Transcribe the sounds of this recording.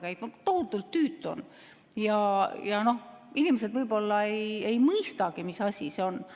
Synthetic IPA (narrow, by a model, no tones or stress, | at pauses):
kæjt̪̚mɑt̪ohut̪ːˑult̪ːyːt̪ːˑo̞̰n | jɑjɑno̞hinimes̬e̞d̪vɤjbo̞lːɑeje̞jmɯjst̪ɑɡ̥imisɑsʲiseo̞n